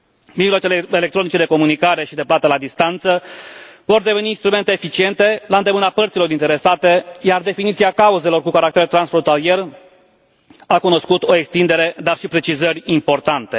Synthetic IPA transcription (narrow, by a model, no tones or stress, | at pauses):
miʒloat͡ʃelelekt̪ɾo̞nit͡ʃe̞d̪e̞ko̞munikaɾe̞ʃid̪e̞plat̪əlad̪ist̪ant̪səvo̞rd̪e̞ve̞niːnst̪ɾume̞nt̪e̞ːfit͡ʃie̞nt̪e̞laɨnd̪emɨnapərt̪silo̞ɾint̪e̞ɾe̞sat̪e̞jard̪e̞finit̪siakauze̞lo̞rkukaɾak̚t̪eɾt̪ɾansfɾo̞nt̪alie̞r | akuno̞skut̪o̞ekst̪ind̪e̞ɾe̞d̪arʃipɾe̞t͡ʃizəɾʲimpo̞rt̪ant̪e̞